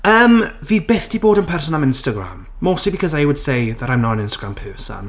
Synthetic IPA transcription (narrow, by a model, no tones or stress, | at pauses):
əːmviːbɪθd̥iːboːdənpʰɛrs̬ɔnamɪ̃nstəɡra̰mːosibikʰɔzajwəd̥sejðaɾajmnɔənɪ̃nstəɡɹampʰɛːsa̰n